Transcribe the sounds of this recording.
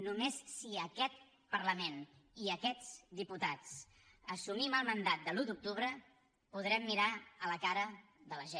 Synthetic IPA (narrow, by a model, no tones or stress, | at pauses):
numessiəkɛt̪̚ | pərləmeniəkɛd͡zd̪iput̪at͡s | əsumiməlˠmənd̪at̪̚d̪əlut̪uk̚t̪uβɾə | puð̞ɾɛmːiɾaələkaɾə | ðələʒe